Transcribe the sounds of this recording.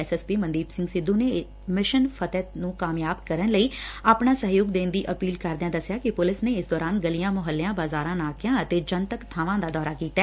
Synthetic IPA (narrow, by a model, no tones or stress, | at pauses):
ɛsɛːspiːmənd̪iːpsɪ̃ŋɡsɪd̪ːuːne | mɪʃənpʰət̪ɛt̪nũːkaːmjaːbkəɾənləiːaːpɳaːsəɦjoːɡd̪eːnd̪iːʔəpiːlkəɾd̪ejãːd̪əsjaːkɪpʊlɪsneːɪsd̪ɔːɾaːnɡəlijãːmʊɦəlːejãːbaːzaːɾãːnaːkʰɪjãːət̪eːd͡ʒənt̪əkt̪ʰaːʋãːd̪aːd̪ɔːɾaːkiːt̪aː